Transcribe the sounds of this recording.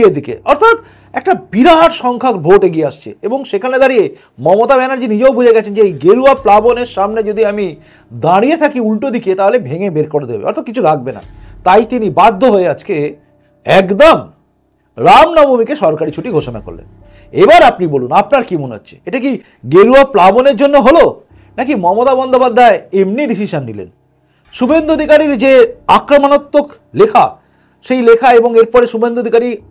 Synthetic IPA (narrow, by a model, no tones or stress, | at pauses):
ed̪ikḛʔɔɾt̪ʰat̪ | ɛk̚ʈabiɾaɦaɾʃɔŋkʰakbʱoʈeɡieaʃt͡ɕʰḛeboŋʃekʰaned̪aɾije | mɔmot̪abɛnaɾd͡ʑinid͡ʑeowbʱud͡ʑʱeɡɛt͡ɕʰend͡ʑeejɡeɾuaplaboneɾʃamned͡ʑod̪ʱiami | d̪aɽijet̪ʰakiulʈod̪iket̪aɦolebʱeŋebeɾkoɾed̪ebḛɔ̰ɾt̪ʰat̪kit͡ɕʰuɾaɡ̚bena̰t̪ajt̪inibad̪ʱːoɦoead͡ʑke | ɛkd̪om | ɾamnɔbomikeʃɔɾkaɾit͡ɕʰuʈiɡʱoʃona̰ko̰ɾlḛn | ebaɾapnibolunapnaɾkimoneɦo̰tːɕʰe̥̰eʈaki | ɡeluaplaboneɾd͡ʑonːoɦolo | nakimɔmot̪abɔnd̪ʱopad̪ʱːaeemniɖisiʃanːilḛn | ʃubʱend̪uod̪ʱikaɾiɾd͡ʑeakɾomanot̪ːok | lekʰa̰ | ʃejlekʰaeboŋeɾpɔɾeʃubʱend̪uod̪ʱikaɾi